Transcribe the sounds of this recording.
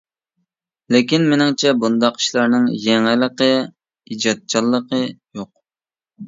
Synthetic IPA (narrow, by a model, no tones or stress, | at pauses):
lɪkʲinmenɪŋt͡ʃʰɛbund̪ɑqi̥ʃlˠɑɾnɨŋjɛŋɪlˠəqə | id͡ʒɑt̪̚t͡ʃʰɑlˠːəqʰəjoq̚